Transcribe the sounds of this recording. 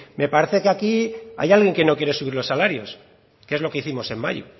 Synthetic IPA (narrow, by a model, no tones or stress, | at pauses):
me̞paɾe̞θe̞keakia̰jalɣje̞ŋke̞no̞kje̞ɾe̞suβiɾlo̞sːalaɾjo̞s | kee̞zlo̞ke̞iθimo̞se̞mːa̰ʝṵ